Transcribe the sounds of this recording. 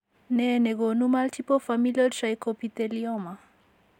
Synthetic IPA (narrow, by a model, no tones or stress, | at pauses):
nɛneɡonumaltʰipofamilɔlʃajkopit̪eliɔma